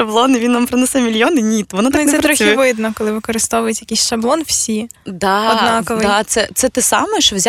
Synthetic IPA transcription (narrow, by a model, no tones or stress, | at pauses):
ɐblˠɔnɪʋinʋampɾɔnɛsɛmʲilʲjɔnɪnʲit̪ʋɔnat̪anɛpɾɾɔxʲiʋɪd̪nɔkɔlˠɪʋɪkɔɾɨst̪ɔʋʊjʊtʲjɐkʲisʲʃɐblˠɔnwsʲid̪ɑɔnɑkɔʋɪd̪ɑt̪sɛt̪sɛt̪ɛsɑ̰mɛʃɔwzʲ